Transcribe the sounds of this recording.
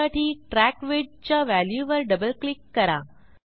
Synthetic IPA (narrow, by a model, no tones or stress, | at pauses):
aʈʰiːʈɾækʋeɖt͡ɕjaʋæljuʋəɾɖəbəlklikːəɾa̰